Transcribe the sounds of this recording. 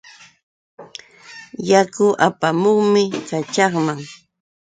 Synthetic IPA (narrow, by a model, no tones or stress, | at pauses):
jakʊʔapamoχmɪkat͡ʃɑχmaŋ